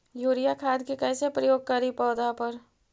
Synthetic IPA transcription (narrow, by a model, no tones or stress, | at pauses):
juːɾijakʰaːd̪kikɛːsepɾɐjoːɡ̚kaɾipɔːd̪apɐɾ